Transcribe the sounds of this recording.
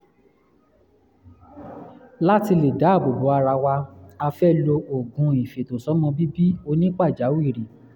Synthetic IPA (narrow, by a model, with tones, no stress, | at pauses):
la˦ti˧le˨da˨˦˨bo˨bo˨˦a˧ɾa˧wa˧a˧fɛ˦lo˧o˨ɡũ˧˦i˨fe˨to˨sɔ˨˦mɔ̃˧bi˦bi˦o˧nĩ˦k͡pa˦˨d͡ʒa˨˦wu˦i˦˨ɾi˨